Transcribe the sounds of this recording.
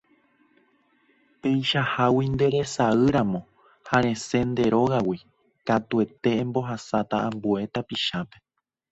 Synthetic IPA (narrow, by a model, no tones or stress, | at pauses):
pe̞jʃahawind̪e̞ɾe̞saɨɾamõ̞ | haɾ̃ẽ̞se̞nd̪e̞ɾo̞ɣawi | kat̪ue̞t̪e̞ẽmbo̞ɦasat̪aãmbue̞t̪apiʃape̞